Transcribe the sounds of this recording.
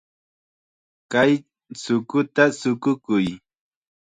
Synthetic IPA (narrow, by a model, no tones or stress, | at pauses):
kaj | sʊkʊt̪asʊkʊkʊj